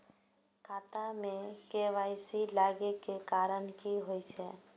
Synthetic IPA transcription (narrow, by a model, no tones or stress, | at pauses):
kʰaːt̪amẽkeʋajsilaɡekekaːɾənkiɦojt͡ʃʰe